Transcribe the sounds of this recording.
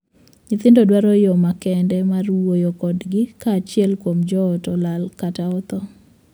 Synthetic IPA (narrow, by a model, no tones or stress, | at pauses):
ɲɪt̪ɪndɔdwaɾɔjɔmakɛndɛmarwojɔkɔdɡɪkaːt͡ʃɪɛlkwomd͡ʒɔːtɔlalkataɔt̪ɔ